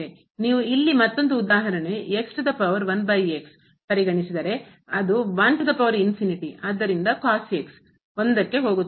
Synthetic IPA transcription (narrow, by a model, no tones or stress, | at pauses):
e | niːʋuilːimɐt̪ːo̞nd̪uːd̪aːɦɐɾɐneeksʈud̪ɐpɐʋɐɾʋɐnbɐjeks | pɐɾiɡɐɳisid̪ɐɾe̞ | ɐd̪uʋɐnsɐd̪ɐpɐʋɐɾinfiniʈiaːd̪ːɐɾind̪ɐkaːseks | ond̪ɐkːe̞ɦo̞ːɡut̪ː